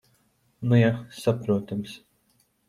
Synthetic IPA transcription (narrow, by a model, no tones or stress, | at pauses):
nujasapɾuɔt̪ams